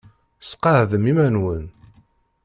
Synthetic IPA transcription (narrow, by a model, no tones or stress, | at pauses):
sqɑʕðəmimænwən